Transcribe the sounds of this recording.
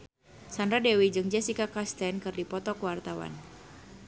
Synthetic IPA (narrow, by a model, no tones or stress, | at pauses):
sandɾadewid͡ʒɨŋd͡ʒɛsikakast̪ɛnkɨrdipɔt̪ɔkwart̪awa̰n